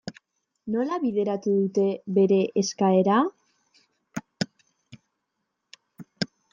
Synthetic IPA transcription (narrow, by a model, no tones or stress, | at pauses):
no̞laβiðe̞ɾat̪uðut̪e̞βe̞ɾe̞ʔeskae̞ɾa